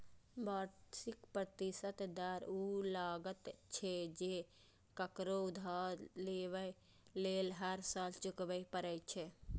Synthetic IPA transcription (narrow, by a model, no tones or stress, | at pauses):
baːɾsikpɾət̪isət̪d̪aɾulaːɡət̪t͡ʃʰed͡ʒe | kəkɾoʊd̪ʱaɾleːʋə | leːlɦəɾsaːlt͡ʃʊkbəjpəɾəjt͡ʃʰe